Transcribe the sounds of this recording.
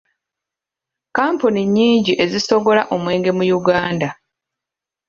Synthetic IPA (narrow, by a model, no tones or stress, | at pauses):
kaːmpuniɲːiːɲɟiʔe̞ziso̞ɡo̞laʔo̞mwe̞ːŋɡe̞mujuɡaːnda